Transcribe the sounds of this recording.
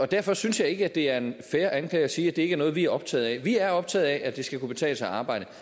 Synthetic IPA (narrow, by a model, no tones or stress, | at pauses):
ɒ̽d̥æɐ̰fɒ̽synsjɑ̈ɪe̝ɡ̥əæd̥e̝æɐe̝nfeɐʔænkʰlɛ̰ɪɒsiːæd̥e̝eɡ̥æɐnɔ̽ːð̞̩ˠʋiæɐɒ̽b̥t͡sʰɛ̰ːð̞̩ˠɛʋiæɐɒ̽b̥̚t͡sʰɛ̰ːð̞̩ˠɛʔæd̥e̝sɡ̥ækub̥e̝t͡sʰɛ̰ːləsɑɑ̈ːb̥ɑ̈ɪ̰ɾ̥ə